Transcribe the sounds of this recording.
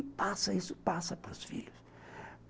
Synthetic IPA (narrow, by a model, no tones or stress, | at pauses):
pasɐisʊ̥pasɐpɾʊsfḭʎʊs